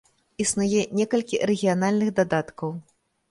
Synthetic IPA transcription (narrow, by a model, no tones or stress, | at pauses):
isnujɛnʲɛkɐlʲkʲiɾɛɣʲijanalʲnɨɣd̪ad̪at̪kɐw